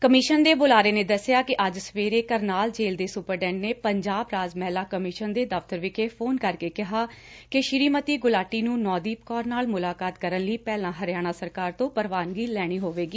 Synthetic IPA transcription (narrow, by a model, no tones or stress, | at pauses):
kəmɪʃənd̪eːbʊlaːɾeːneːd̪əsːɪjaːkɪʔəd͡ʒsəʋeːɾeːkəɾnaːld͡ʒeːld̪eːsʊpəɾɖɛ̃ːɳɖneːpəɲd͡ʒaːbɾaːzmɛːlaːkəmɪʃənd̪eːd̪əft̪əɾʋɪkeːpʰoːnkəɾkeːkɪɦaːkɪʃɪɾiːmət̪iːɡʊlaːʈːiːnũːnɔːd̪iːpkɔːɾnaːlmʊlaːkaːt̪kəɾənliːpɛːlãːɦəɾjaːɽ̃aːsəɾkaːɾt̪õːpəɾʋaːnɡiːlɛːɽ̃iːɦoːʋeːɡiː